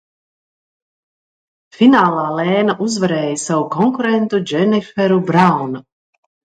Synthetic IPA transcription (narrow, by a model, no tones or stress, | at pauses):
fʲinaːlˠaːlɛːnaʔuzvaɾɛːjasavukɔŋkuɾent̪ud͡ʒɛnifɛɾubɾawna